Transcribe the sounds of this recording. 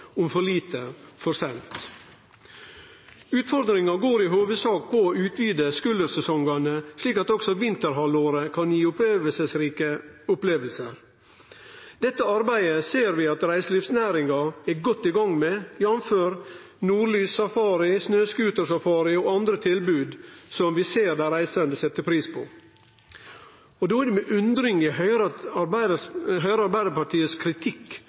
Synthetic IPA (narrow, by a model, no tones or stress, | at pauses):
ʊmfɔɭiːt̪əfɔɾsɛnt̪ | ʉːt̪fɔɾd̪ɾɪŋɑɡoːɾiːɦoːʋəd̪sɑːkpʰɔʉːt̪ʰʋyːd̪əskʉləɾsɛsɔŋɡɑnəsliːkɑt̪ɔksɔʋɪnt̪əɾɦɑloːɾəkʰɑnjiːʊpːʋəsəsɾiːkəʊpleːʋəlsəɾ | d̪̥ɛt̪ːəɑɾbæɪəseːɾʋɪːɑt̪ɾæɪslifsnæːɾɪŋɑæɡɔt̪ːɪɡɑŋmɛjɑmføːɾ | nuːɭyːsɑfɑːɾɪsnøːskʉːt̪əʂɑfɑːɾɪɔɑnd̪ɾət̪ʰɪlbʉːd̪sɔmʋɪseːɾd̪æɾæɪsɛnd̪əsɛt̪ːəpʰɾiːspʰo̰ː | ɔd̪oːæd̪ɛmɛʔʉnd̪ɾɪŋɪhœɾəɦœʏɾəɑɾbæɪd̪əpɑʈʰiːəskʰɾɪt̪ʰɪkː